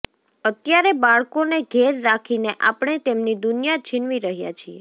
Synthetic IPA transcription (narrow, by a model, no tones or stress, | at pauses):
ət̪jaɾebaɭkoneɡʱeɾːakʰineʔapɳ̃et̪emnid̪unijat͡ʃʰɪnʋiɾəɦja̰t͡ʃʰije